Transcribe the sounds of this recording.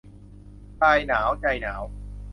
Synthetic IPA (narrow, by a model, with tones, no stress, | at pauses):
taː˧jnaː˩˦wt͡ɕa˧jnaː˩˦˥w